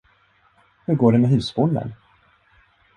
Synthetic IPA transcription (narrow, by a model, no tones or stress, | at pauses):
hɵɾɡoːɖɛmɛɦʉ̟ːsfʊnd̪ə̰n